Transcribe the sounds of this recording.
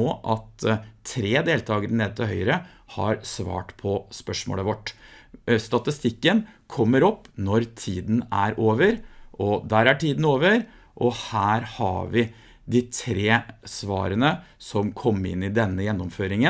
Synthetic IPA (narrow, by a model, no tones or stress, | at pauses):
oːʔɑt̪ʰɾeːd̪eːlt̪ʰɑːɡəɾəneːd̪ət̪ʰɪhœʏɾə | hɑɾsʋɑ̰ːʈpʰɔspœʂmo̰ːləʋɔʈː | st̪ɑt̪ɪst̪ɪkːənkʰɔmːəɾɔpːnɔɾt̪ʰiːd̪n̩æɾʔoːʋəɾʔɔd̪æːɾæʈiːd̪n̩oːʋəɾ | ʔɔhæːɾhɑ̰ʋɪ | d̪ɪt̪ʰɾeːsʋɑ̰ːɾənə | sɔmkʰɔmːəɪ̰nːɪd̪ɛnːəjɛnːɔmføːɾɪŋə